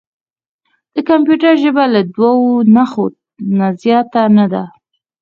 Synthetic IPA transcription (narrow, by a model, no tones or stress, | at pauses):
d̪̥əkampjuʈəɾʒəbalad̪wawonaxo | nazjɑt̪anad̪a